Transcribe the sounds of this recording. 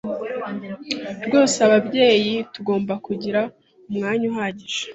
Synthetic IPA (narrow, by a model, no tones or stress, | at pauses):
ɾɡo̞ːseaβabɟe̞ːjituɡo̞ːmbakuɟiɾa | umŋaːɲuɦaːɟiʒ̥ḁ